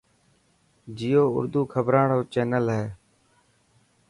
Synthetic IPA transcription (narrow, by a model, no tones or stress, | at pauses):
d͡ʒijoːʊ̰ɾd̪uːkʰəbɾaːɳoːt͡ʃeːnəlɦɛː